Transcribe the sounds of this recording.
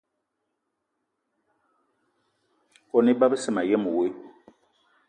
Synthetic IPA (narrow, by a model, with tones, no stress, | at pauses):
kɔ˨nɪ˦ba˦bɨ˦sɪ˦˨ma˨jɛ˦mu˨we˦˨